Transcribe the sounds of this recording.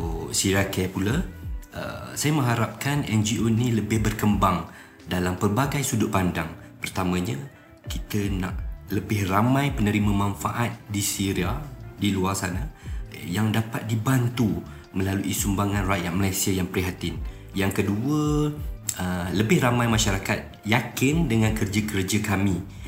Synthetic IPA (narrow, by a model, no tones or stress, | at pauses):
osiɾakɛpulaə̰sajəmə̃ɦaɾap̚kanɛnd͡ʒiʔoniləbɪhbərkəmbaŋ | dalampərbaɡajsudʊʔ̚pandaŋ | pərt̪amə̃ɲə | kit̪əna̰ʔləbɪhramãjpənəɾimə̃mãnfaʔat̪̚disiɾiadiluarsanajaŋdapat̪̚dibant̪u | mə̃laluisumbaŋãnrajat̪̚məlajsiajaŋpɾiɦat̪ɪn | jaŋkəduə | ələbɪhramãjmãʃaɾakat̪̚jakɪndəŋãnkərd͡ʒakərd͡ʒakamĩ